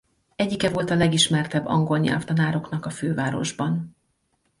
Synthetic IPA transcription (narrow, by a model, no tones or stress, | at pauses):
ɛɟːikɛvo̞lt̪ɒlɛɡiʃmɛrt̪ɛbːɒ̰ŋɡo̞lɲɛ̰lft̪ɒnaːɾo̞knɒkɒføːvaːɾo̞̰ʒbɒn